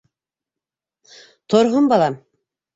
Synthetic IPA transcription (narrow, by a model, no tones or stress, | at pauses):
t̪ʰoɾɦombɑlˠɑm